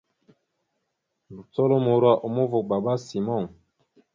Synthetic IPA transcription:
bu˨tɔ˦lo˦mo˨ɾwa˦ʔo˨mo˦vo˨k̚ba˨ba˦si˨mɔ˦˨ŋ

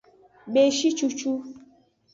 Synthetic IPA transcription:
ɡ͡be˨ʃi˦t͡ʃu˧t͡ʃu˦

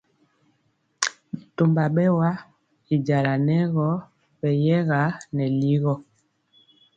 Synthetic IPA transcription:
mi˨to˨mba˨ɓɛ˦wa˦ | i˨d͡ʒa˨la˨nɛ˦ɣɔ˦ | ɓɛ˨jɛ˦ɣa˨˦nɛ˨li˦ɣɔ˦˨

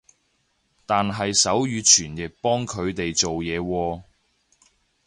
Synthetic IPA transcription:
t̪aː˨nɦɐ˨jsɐ˨˥wjyː˨˧t͡ʃʰyː˨˩njɪ˨k̚pɔː˥ŋkʰɵ˨˧ɥt̪e˨jt͡so˨wjɛː˨˧wɔː˧

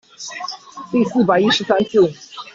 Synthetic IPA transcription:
t̪i˥˧sɹ̩˥˩pa˨ɪi˥ʂɻ̩˧˥sa˥nt͡ɕjo˥˩ʊ

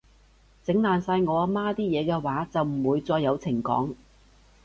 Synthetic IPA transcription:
t͡sɪ˨˥ŋlaː˨nsaː˧jŋɔː˨˧a˧maː˥t̪iː˥jɛː˨˧kɛː˧waː˨˥t͡sɐ˨wm̩˨˩wuː˨˧jt͡sɔː˧jːɐ˨˧wt͡sʰɪ˨˩ŋkɔ̰ː˨˥ŋ

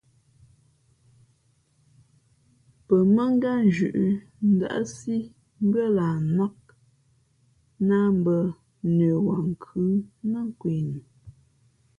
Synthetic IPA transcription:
pə˨mə˦ŋ˦ɡa˦n˨d͡ʒʉ˨ʔ | n̩˦da̰˨ʔa̰˦si˦ | ŋ̩˦ɡə˦laː˨na˦k̚ | na˦m˦bə˦ | neː˨wa˨ŋ̩˨kʰʉː˦nə˦ŋ˦kwe˨ni˨

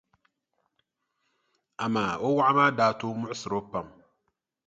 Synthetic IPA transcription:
a˨maː˨o˦wa˦ʔa˦maː˦daː˨toː˦mʊ˦ʔʊ˦sɨ˨ɾo˦pa˨m

